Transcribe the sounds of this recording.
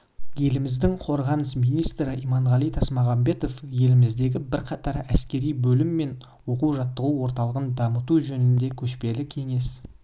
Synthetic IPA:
je̞lɪmɪzd̪ɪŋqʰo̞ɾʁɑnəsmijnijst̪ɾɪimɑɴʁɑlˠijt̪ʰɑsmɑʁɑmbe̞t̪o̞fje̞lɪmɪzd̪e̞ɡʲɪbɪɾqʰɑt̪ɑɾæskʲe̞ɾijbɵlɪmːe̞n | wo̞quwʒɑt̪ːəʁuwo̞ɾt̪ɑlˠəʁənd̪ɑmət̪uʒɵnɪnd̪e̞kʲʰɵʃpe̞lɪkʲʰe̞ŋe̞s

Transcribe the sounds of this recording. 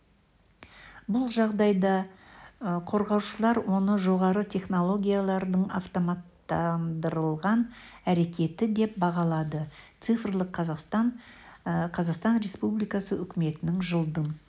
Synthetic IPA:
bʊlˠʒɑʁd̪ɑjd̪ɑ | qʰo̞ɾʁɑwʃəlˠɑɾwo̞nəʒo̞ʁɑɾət̪ʲʰe̞χno̞lˠo̞ɡʲijalˠɑɾd̪əɴɑ̰ft̪omɑt̪ːɑnd̪əɾəlˠʁɑnæɾe̞kʲe̞t̪ɪd̪e̞p̚bɑʁɑlˠɑd̪ət̪sɨfrlˠəq̪ʰː | qʰɑzɑqst̪ɑnɾʲe̞spublijkɑsəʔʏkʲɪme̞t̪ɪnɪŋʒəlˠd̪əɴ

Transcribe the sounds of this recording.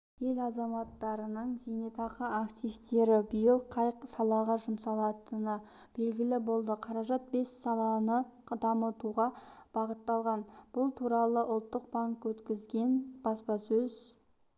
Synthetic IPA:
je̞lɑzɑmɑt̪ːɑɾənəɴʒenet̪ʰɑqəakt̪ijft̪e̞ɾɪbəjəlˠqʰɑjqsɑlˠɑʁɑʒʊmsɑlˠɑt̪ənəb̥e̞lɡʲɪlɪbo̞lˠd̪əqʰɑɾɑʒɑt̪̚be̞sːɑlˠɑnəd̪ɑmət̪uʁɑb̥ɑʁət̪ːɑlˠʁɑnb̥ʊlˠt̪ʰuɾɑlˠəʔʊlˠt̪ːəq̚baŋkwɵt̪kʲɪzɡʲe̞nb̥ɑspɑsɵz

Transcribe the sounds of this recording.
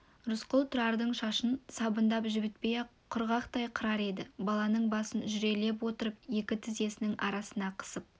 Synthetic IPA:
ɾʊsqʊlˠt̪ʰʊɾɑɾd̪əɴʃɑʃənsɑbənd̪ɑpʒɪbɪt̪̚pejeqʰʊɾʁɑqt̪ɑjqʰəɾɑɾe̞d̪ɪbɑlˠɑnəɴbɑsənʒʏɾe̞le̞p̬wo̞t̪əɾəp̚je̞kʲɪt̪ʰɪze̞sɪnɪŋʔɑ̰ɾɑsənɑqʰə̥səp̚

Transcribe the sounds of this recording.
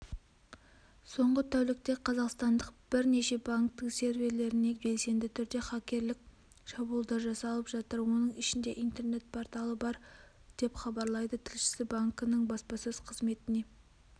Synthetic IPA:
so̞ɴʁət̪ʰæwlɪk̚t̪e̞qʰɑzɑqst̪ɑnd̪əq̚b̥ɪɾne̞ʃe̞baŋkt̪əɴse̞ɾve̞ɾle̞ɾɪne̞be̞lse̞nd̪ɪt̪ʰʏɾd̪e̞χɑkʲe̞ɾlɪk̚ʲ | ʃɑbulˠd̪ɑɾʒɑsɑlˠəpʒɑt̪əɾwo̞nəɴɪʃɪnd̪e̞ʔijnt̪e̞ɾne̞t̪̚pʰo̞ɾt̪ɑlˠəbɑɾ | d̪̥e̞pχɑbɑɾlˠɑjd̪ət̪ʰɪlʃɪ̥sɪbaŋkənəɴbɑspɑsɵz̥qʰəzme̞t̪ɪne̞

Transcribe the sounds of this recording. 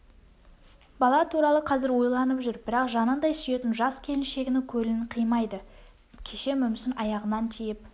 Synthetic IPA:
bɑlˠɑt̪ʰuɾɑlˠəqʰɑzɪɾwo̞jlˠɑnəpʒʏɾbɪɾɑqʒɑnənd̪ɑjsʏje̞t̪ɪnʒɑskʲʰe̞lɪnʃe̞ɡʲɪnɪkʲʰɵlɪqʰijmɑjd̪ə | kʲʰe̞ʃe̞mʏmsɪnʔɑjɑʁənɑnt̪ʰijɪp̚

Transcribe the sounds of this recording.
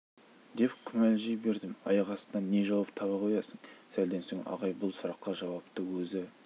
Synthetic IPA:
d̪e̞pkʲʰʏmælʒɪjbe̞ɾd̪ɪmɑ̰jɑʁɑsənɑnːe̞ʒɑwɑp̚t̪ʰɑβɑqʰojɑsəŋsæld̪ensoŋʔɑ̰ʁɑjbʊlˠsʊɾɑqːɑʒɑwɑpt̪əwɵzɪ

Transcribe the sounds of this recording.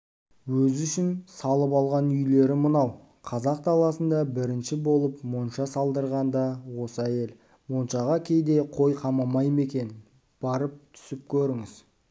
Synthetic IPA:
wɵzʏʃɪnsɑlˠəpɑlˠʁɑnʏjle̞ɾɪmənɑw | qʰɑzɑq̚t̪ʰɑlˠɑsənd̪ɑbɪɾɪnʃɪbo̞lˠəpmonʃɑsɑlˠd̪əɾʁɑnd̪ɑwo̞səæje̞l | monʃɑʁɑkʲʰe̞jd̪e̞qʰo̞jqʰɑmɑmɑjəme̞kʲe̞n | b̥ɑɾəp̚t̪ʰʏ̥sɪp̚kʲʰɵɾɪŋɪz

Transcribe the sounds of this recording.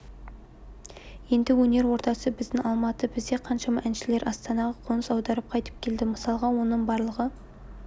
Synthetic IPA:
je̞nd̪ɪwɵne̞ɾwo̞ɾt̪ɑsəbɪzd̪ɪŋɑlˠmɑt̪əbɪzd̪e̞qʰɑnʃɑmɑʔænʃɪle̞ɾʔɑst̪ɑnɑʁɑqʰonəsɑwd̪ɑɾəp̚qʰɑjt̪ə̥p̚kʲʰe̞ld̪ɪməsɑlˠʁɑwo̞nəɴbɑɾlˠəʁə

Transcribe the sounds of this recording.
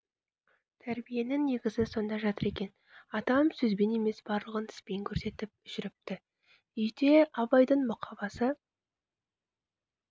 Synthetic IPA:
t̪ʰæɾbije̞nɪŋnːe̞ɡʲɪzɪso̞nd̪ɑʒɑt̪əɾe̞kʲe̞n | ɑt̪ɑmsɵzbe̞ne̞me̞sb̥ɑɾlˠəʁənt̪ʰɪ̥spe̞jŋkʲʰɵɾse̞t̪ɪp̚ʒ̥ʏɾɪp̚t̪ɪ | ʏjd̪e̞ɑbɑjd̪əɴmʊqʰɑbɑsə

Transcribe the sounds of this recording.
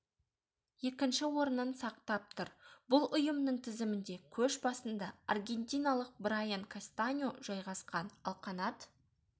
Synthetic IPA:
je̞kʲɪnʃɪwo̞ɾənənsɑqt̪ɑp̚t̪ʊɾbʊlˠʊjəmnəɴt̪ʰɪzɪmɪnd̪e̞kʲʰɵʃbɑsənd̪ɑarɡʲe̞nt̪ʲijnalˠəq̚bɾajaŋkʰast̪anʲoʒ̥ɑjʁɑsqɑnɑlˠqɑnɑt̪

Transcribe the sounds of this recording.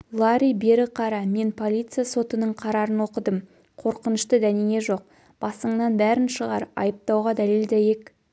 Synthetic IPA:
lˠɑɾʲijbe̞ɾɪqʰɑɾɑme̞npʰo̞lʲˠijt̪sɨjaso̞t̪ənəɴqʰɑɾɑɾənwo̞qəd̪əm | qʰo̞ɾqənəʃt̪əd̪æniŋʲe̞ʒo̞q̚ | b̥ɑsəɴnɑnbæɾɪnʃəʁɑ̰ɾɑ̰jəp̚t̪ɑwʁɑd̪æleld̪æje̞k

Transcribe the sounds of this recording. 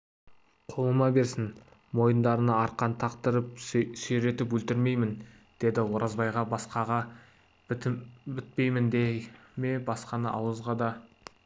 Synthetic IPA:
qʰo̞lˠəmɑbe̞ɾsɪn | mo̞jənd̪ɑɾənəɑɾqɑnt̪ʰɑqt̪əɾəp̚sɵjɾe̞t̪ɪpɵlt̪ɪɾme̞jmɪn | d̪̥e̞d̪ɪwo̞ɾʔɑzbɑjʁɑbɑsqɑʁɑ | b̪bɪt̪̚pe̞jmɪnd̪eme̞bɑsqɑnəʔɑwəzʁɑd̪ɑ

